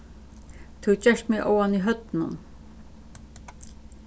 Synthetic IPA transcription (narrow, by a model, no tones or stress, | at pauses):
t̪ʰʊt͡ɕɛʂt̪mɪʔo̰waniɦœt̪nʊ̰n